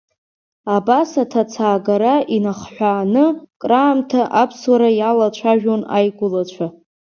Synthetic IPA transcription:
abasatʰat͡sʰaːɡaɾaʔinaχħʷᶣaːnɨkʼraːmtʰaʔapʰswaɾajalat͡ɕʷʰaʒᶣona̰jɡʷʊlat͡ɕʷʰa

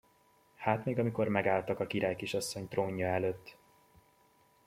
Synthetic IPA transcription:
haːt̪meːɡɒmiko̞rmɛɡaːlt̪ɒkɒkiɾaːjkiʃɒsːo̞ɲt̪roːɲːɒɛløːt̪ː

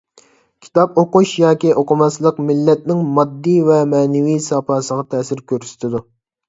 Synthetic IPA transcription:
kʲʰi̥t̪ɑpoquʃjɑːkʲiʔoqʰʊmɑslˠəqmɪlːɛt̪̚nɪŋmɑd̪ːijvɛmɛːnɪwisɑpʰɑːsəʁɑt̪ʰɛːsɪɾkʲʰøɾsɪ̥t̪ʰɪd̪u

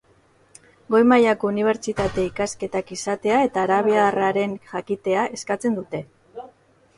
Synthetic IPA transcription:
ɡo̞jmajako̞uniβ̞e̞ɾt͡ʃit̪at̪e̞ikaske̞t̪akisat̪e̞ae̞t̪aːɾaβiaraɾe̞nʝakit̪e̞aʔe̞skat͡se̞nd̪ut̪e̞

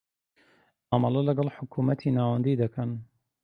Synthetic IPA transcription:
ʔamɐlɐlɐɡɐlˠħʊkʰumɐt̪ʰinaːwɐnd̪iːd̪ɐkʰɐn

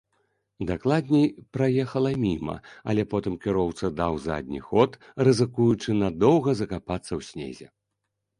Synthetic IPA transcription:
d̪aklˠad̪ʲnʲɛjpɾajɛxɐlˠɐmʲimɐ̰ɐ̰lʲɛpɔt̪ɨmkʲiɾɔwt̪sɐd̪awza̰d̪ʲnʲḭxɔt̪ | rɨzɨkujut͡ʂɨnad̪ɔwɣɐzɐkapat̪sːɐwsʲnʲḛzʲɛ̰

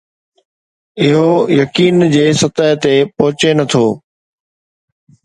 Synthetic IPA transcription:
ɪɦojɐkiːnd͡ʑeːsɐt̪aːɦt̪epɐɦʊt͡ɕenɐt̪ʰoː

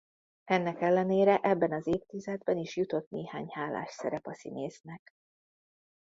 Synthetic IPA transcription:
ɛnːɛkɛlːɛneːɾɛʔɛbːɛnɒzeːpt̪izɛd̪bɛniʃjut̪o̞t̪neːhaːɲhaːla̰ːʃsɛɾɛpɒsḭneːznɛk

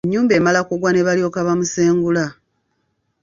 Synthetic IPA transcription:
eɲːuːmbe̞ːmalakuɡwane̞βalio̞kaβamuseːŋɡula

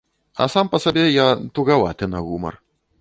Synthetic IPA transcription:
ɐ̰sampɐsabʲɛjat̪uɣɐva̰t̪ɪnɐɣumɐ̰r

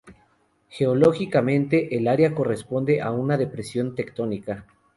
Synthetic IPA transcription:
xe̞olo̞xikamẽ̞nt̪e̞ʔelaɾjako̞re̞spo̞nd̪e̞ʔaunaðe̞pɾe̞sjo̞nt̪e̞kt̪o̞nika

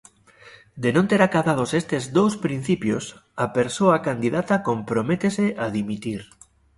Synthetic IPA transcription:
d̪enõnt̪eɾakaβað̞osest̪ezd̪owspɾin̟θipjosapeɾsoakand̪iðat̪akompɾomet̪eseʔaðimit̪iɾ

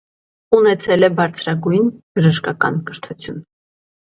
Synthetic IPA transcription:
unɛt͡sʰɛlɛbɑɾt͡sʰɾɑɡujnb̥əʒəʃkɑkɑ̰nkəɾt̪ʰut͡sʰjun

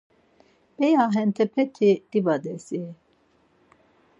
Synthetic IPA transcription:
b̥ɛjaɦɛnt̪ʰɛpʰɛt̪ʰid̪̥ibad̪ɛsi

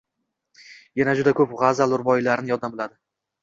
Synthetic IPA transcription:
janad͡ʒʊd̪akʰɵpʁazalˠʊɾbɒjɪlaɾɪnɪjɒd̪ambɪlˠad̪ɪ

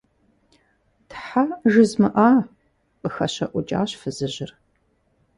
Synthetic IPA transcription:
tħaʒɨzmɨʔaː | qʼəxɐɕɐʔʷʊt͡ʃʼa̰ːɕfɨzɨʑɪr

